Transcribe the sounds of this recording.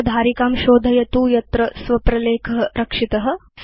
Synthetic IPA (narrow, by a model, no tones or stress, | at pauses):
d̪ʱaːɾikaːmʃoːd̪ʱɐjɐt̪uːjɐt̪ɾɐsʋɐpɾɐleːkʰɐɦɐɾɐkʂit̪ɐɦɐ̆